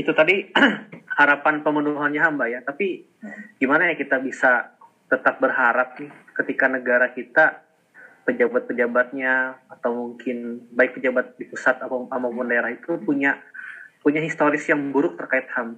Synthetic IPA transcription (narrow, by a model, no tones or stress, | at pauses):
it̪ut̪adi | haɾapanpəmənuɦanɲaɦambajat̪api | ɡimanajaŋkit̪abisa | t̪ət̪ap̚bərɦaɾap̚nɪh | kət̪ikanəɡaɾakit̪a | pəd͡ʒabat̪̚pəd͡ʒabat̪̚ɲaːt̪awmuŋkɪnbaɪk̚pəd͡ʒabat̪̚dipusat̪apamamapʊndaeɾahit̪upuɲapuɲaɦist̪oɾɪsjaŋbuɾʊk̚t̪ərkaɪt̪̚ham